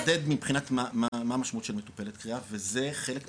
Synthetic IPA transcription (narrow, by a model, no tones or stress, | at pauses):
d̪ed̪mibχinat̪mamamamaʃmautʃe̞lmetu̥pe̞let̪kʁiaveze̞χe̞le̞k